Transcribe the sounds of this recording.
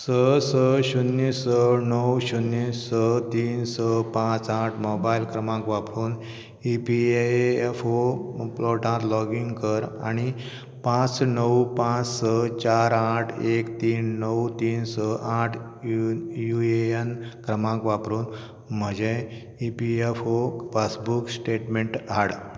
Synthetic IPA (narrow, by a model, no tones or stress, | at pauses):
səsəɕunːisənəwɕunːisːət̪iːnsəpãt͡saʈʰmobailkɾəmãkʋapɾuːn | ipieefoploʈãt̪lɔɡiŋɡkəɾa̰ɽ̃i | pãt͡snəwpãt͡ssət͡ɕaɾaʈʰekt̪iːnːəwt̪iːnsəʔaʈʰ | jueənkɾəmãŋkʋapɾuːn | m̤əd͡ʑe | ipiefopasbuksʈeʈmeɳʈɦaɽ